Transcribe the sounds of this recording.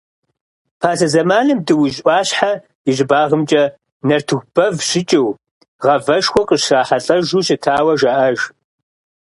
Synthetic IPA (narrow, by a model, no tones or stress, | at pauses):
pʰaːzɐzɐmaːnɨmdɨwʊʑʔʷɑːɕħa | ɪʑɪbaːʁəmt͡ʃʼɐ | nɐrtʰɨxʷb̥ɐvɕɪt͡ʃʼɪw | ʁɐvɐʃxʷɔqʼəɕraːħaɬʼɐʒuːɕɪtʰaːwɐʒaːʔɐʒ